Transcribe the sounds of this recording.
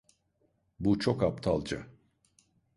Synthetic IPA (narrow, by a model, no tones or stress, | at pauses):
but͡ʃʰokapt̪ʰalˠd͡ʒa̰